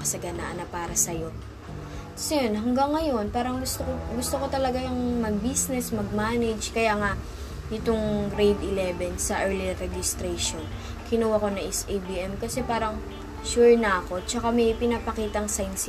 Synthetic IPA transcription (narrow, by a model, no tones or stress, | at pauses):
ɐsɐɡɐna̰ʔɐnɐpaːɾɐsɐjo̞ | sɛɛnɦɐŋɡaŋːɐjo̞npaːɾɐŋɡʊst̪oɡʊst̪oko̞t̪ɐlɐɡaɐŋmɐɡ̚bisnɛsmɐɡ̚maːnɛd͡ʒkɐjaːŋaʔ | nɪt̪o̞ŋɾejd̪ɪlɛbɛnsɐʔɛɹliɾɛd͡ʒɪst̪ɾɛjʃon | kʰɪnuwako̞nɐʔɛsʔejbiʔɛmkɐsɛpaːɾɐŋ | ʃuɹnɐʔɐko̞t͡ʃɐkamɛjpɪnapɐkiːt̪ɐŋsajnsɪ